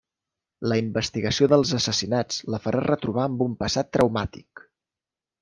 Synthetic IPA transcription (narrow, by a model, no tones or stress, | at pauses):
ləimbəst̪iɣəsioðəlˠzəsəsinad͡zt͡sləfəɾʔarət̪ɾuβaəmbumpəsat̪ːɾəwmat̪ik